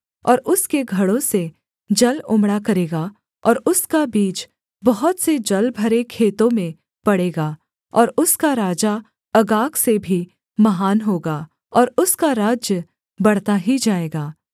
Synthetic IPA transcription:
ɔːɾʊskeɡʱɐɽõse | d͡ʒɐlʊ̃mɽakɐɾeːɡa | ɔːɾʊskabiːt͡ʃ | bɐɦʊt̪sed͡ʒɐlbʱɐɾekʰeːt̪õmẽ | pɐɽeːɡaː | ɔːɾʊskaɾaːd͡ʒa | ɐɡaːksebʱi | mɐɦaːnɦoːɡaː | ɔːɾʊskaɾaːd͡ʒjə | bɐɽ̤t̪aɦid͡ʒaːeːɡaː

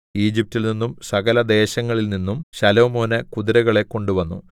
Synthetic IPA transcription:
iːd͡ʑip̚tːilninːumsɐɣɐlɐd̪e̞ːɕɐŋːɐɭilninːumɕɐlo̞ːmo̞ːnɐkuðiɾɐɣɐɭe̞kːo̞ɳɖuʋɐnːu

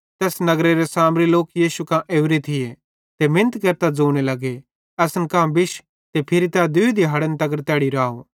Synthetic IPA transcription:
t̪ɛːsnɐɡɾeɾesaːmɾiloːkjiːsukãʔeːʊɾet̪ʰɪje | t̪emɪ̃nət̪kɐɾt̪ad͡zoːɽ̃elɐɡe | ɛːsənkãbɪʃ | t̪epʰɪɾit̪ɛːad̪ʊid̪iɦɐɽənt̪ɐɡəɾt̪ɛːɽiɾaːo

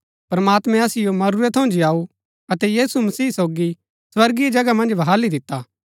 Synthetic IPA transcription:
pɾɐmaːt̪mɛ̃ɐsɪjomɐɾuɾet̪ʰɐ̃ʊ̃nd͡ʒiaːu | ɐt̪ɛjiːsumɐsiːsoːɡi | swɐɾɡied͡ʒɐɡamɐ̃nd͡ʒʋɐɦaːlid̪ɪt̪ːaː

